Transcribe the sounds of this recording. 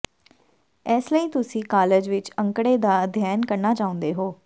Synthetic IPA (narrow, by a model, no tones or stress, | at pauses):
ɛːsləiːt̪ʊsĩːkaːləd͡ʒʋɪt͡ʃəŋkɽeːd̪aːəd̪ʱjaːjənkəɾnaːt͡ʃaːʊ̃nd̪eːɦoː